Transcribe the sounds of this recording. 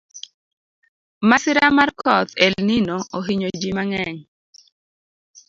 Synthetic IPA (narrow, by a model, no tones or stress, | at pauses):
masɪɾamarkʰɔt̪elninɔʔoɦiɲod͡ʒimaŋɛŋ